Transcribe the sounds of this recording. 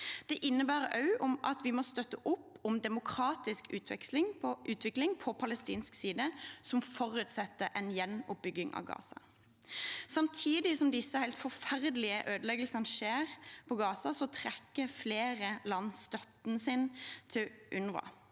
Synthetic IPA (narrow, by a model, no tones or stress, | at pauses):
d̪̥ɛʔɪnːəbæːʁɑʉʔʊmʔɑt̪ʋɪmɔːst̪œt̪ːəʔʊpːɔmd̪ɛmʊkʰʁɑːt̪ɪskʉːt̪ʰʋɛ̰kslɪŋʔʉːt̪ʰʋɪklɪŋpʰɔpʰɑləst̪iːnsksiːd̪əsɔmfɔʁʉːt̪sɛt̪ːəʔɛnjɛnːʊp̚bʏɡɪŋɑ̰ʋɡɑ̰ːsɑ̰ | sɑmt̪ʰiːd̪ɪsɔmd̪ɪsːəhæɪlt̪fɔfæʁd̪əlɪəʔøːd̪əlɛɡəlsənəʃeːʁpʰɔɡɑːsɑsɔt̪ʰʁɛkːəfleːʁəlɑnsst̪œt̪nəsɪnt̪ʰɪlʔʉnʋɑ̰